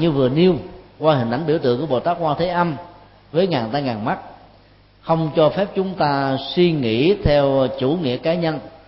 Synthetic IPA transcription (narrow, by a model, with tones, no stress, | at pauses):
ɲɨ˧vɨ˨˩əni˧əwkwaː˧hï̟˨˩ʔa˨˩jŋ̟ɓi˧˩wt̪ɨ˧˨əŋkːəɓo˨˩t̪aː˦˥k̚hwaː˧t̪ʰe˨˦ʔa˧m | vəː˨˦jŋaː˨˩nt̪aː˧jŋaː˨˩nma˦˥t̚ | xə˧wŋ͡mt͡ɕɔ˧fɛ˦˥p̚t͡ɕʊ˨˦ŋ͡mt̪aː˧swi˧ŋḭ˧˥˨t̪ʰɛ˧wt͡ɕṵ˧˩ŋḭ˧˨əkaː˨˦ɲə˧n